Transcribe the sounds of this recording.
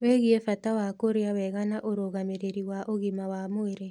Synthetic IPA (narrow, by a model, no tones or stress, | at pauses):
weɣiefatawakoɾeawɛɣanaʔoɾoɣameɾeɾiwaʔoɣimawamoeɾe